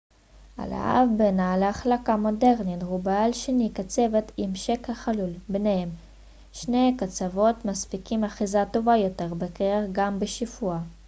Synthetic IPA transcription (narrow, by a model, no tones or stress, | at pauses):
a̰la̰ʔa̰vbenaleaχlakamo̞de̞ʁnitʁubaalʃenikat͡se̞vet̪imʃekhaχalulbnehem | ʃnejkat͡savo̞t̪maspikimaχizat̪o̞vajo̞t̪e̞ʁbekeeχɡambeʃifua